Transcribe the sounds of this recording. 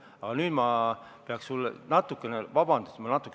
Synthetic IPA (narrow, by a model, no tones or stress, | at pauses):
ɑɡ̥ɑnyːd̪̥mɑpeɑkssulːḛnɑt̪ːˑukːˑe̞nevɑbɑnd̪̥usmɑnɑt̪ːˑu̥kːˑ